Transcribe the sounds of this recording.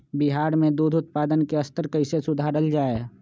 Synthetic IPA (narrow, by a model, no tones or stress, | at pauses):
biɦaːɾmẽd̪uːd̪ʱʊt̪̚paːd̪ənkeɐst̪əɾkəɪsesʊd̪ʱaːɾəld͡ʒaːe